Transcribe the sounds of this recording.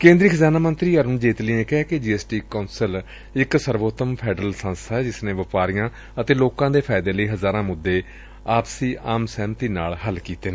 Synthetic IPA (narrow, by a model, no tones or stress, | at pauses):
kẽːnd̪ɾiːkʰəzaːnaːmənt̪ɾiːəɾʊnd͡ʒeːt̪liːẽːkɛɛːked͡ʒiːeːsʈiːkaːnsəl | ɪksəɾʋoːt̪əmpʰɛːɖɾəlsãːnst̪aɛːd͡ʒɪsnẽːʋəpaːɾɪjãː | ət̪eːloːkãːd̪eːpʰaːɪd̪eːləiːɦəzaːɾãːmʊd̪ːeː | aːpsiːʔaːmsɛ̃ːnt̪iːnaːlɦəlkiːt̪eː